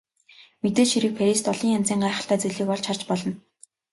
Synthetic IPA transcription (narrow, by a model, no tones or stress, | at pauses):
met̪eːɮʃiɾɘ̆k̚fʰaɾʲist̪ɔɮiːŋjant͡siːŋɢaːχə̆ɬt̪aːt͡seɮiːkɔɮt͡ɕʰχart͡ɕpɔɮɞ̆n